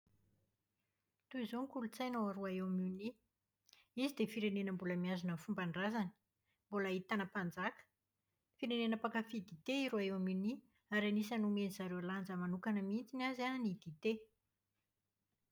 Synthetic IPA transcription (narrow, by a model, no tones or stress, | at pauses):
t̪uizoŋkulut͡sajnowaɾoaewamuni | izid̪efiɾenenəmbuləmiazunəfumbaɳɖ͡ʐazani̥ | mbulait̪anəpand͡zakə̥ | fiɾenenəpakafid̪it̪eiɾoaewamuni | aɾanisanumenizaɾewaland͡zəmanukanəmint͡sinazanid̪it̪e